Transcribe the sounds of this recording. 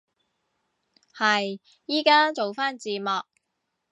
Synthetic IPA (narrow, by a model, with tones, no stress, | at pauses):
hɐ˨j | jiː˥kaː˥t͡so˨wfaː˥nt͡siː˨˧mɔː˨k̚